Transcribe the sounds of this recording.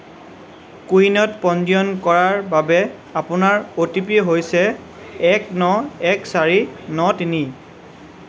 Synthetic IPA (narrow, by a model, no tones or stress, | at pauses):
kujnɔtpɔndiɔnkɔɹaɹbabɛ | apʊnaɹotipieɦojsɛ | ɛknɔɛksaɹinɔtini